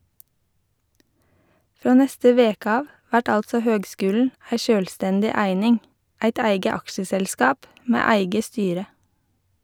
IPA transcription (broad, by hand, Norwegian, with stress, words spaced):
ˈfɾoː ˈnɛstə ˈʋeːkə ˈɑːʋ ˈʋæʈ ˈɑltsɔ ˈhøːɡˌskʉːln̩ ˈæɪ ˈʃøːlˌstɛndɪ ˈæɪnɪŋ ˈæɪt ˈæɪɡə ˈɑkʃəsɛlˌskɑːp ˈmeː ˈæɪɡə ˈstyːɾə